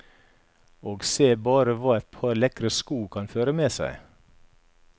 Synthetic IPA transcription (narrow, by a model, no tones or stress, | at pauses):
oːɡseːbɑːɾəʋɑːɛt̪̚pʰɑːɾlɛkɾəskuːkʰɑnføːɾəmeːsæ̰ɪ